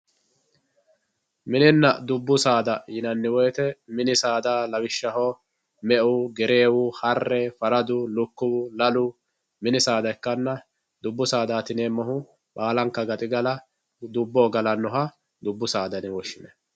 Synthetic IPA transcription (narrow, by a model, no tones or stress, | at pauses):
mɪnɪnːɐd̪ʊbːʊsaːd̪ɐjɪnɐnːɪwɔjt̪ɛmɪnɪsaːd̪aːlɐwɪʃːɐɦo | mɛʔʊɡɛɾeːwʊhɐrːɛfɐɾɐd̪ʊlʊkːʊwʊlɐlʊ | mɪnɪsaːd̪ɐɛkːɐnːɐ | d̪ʊbːʊsaːd̪aːt̪ɪneːmɐɦʊ | ɓaːlɐŋkːɐɡɐt̪ʼɪɡɐlɐ | d̪ʊbːoːɡɐlɐnːɔɦɐ | d̪ʊbːʊsaːd̪ɐnɪwɔʃːɪnɛ